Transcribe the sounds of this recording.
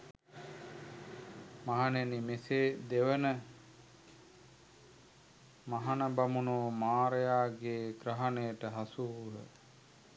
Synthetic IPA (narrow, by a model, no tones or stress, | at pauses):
maɦanenimeseːd̪eʋənə | maɦanəbamunoːmaːɾejaːɡeːɡɾəɦanejəʈəɦasuːɦə̰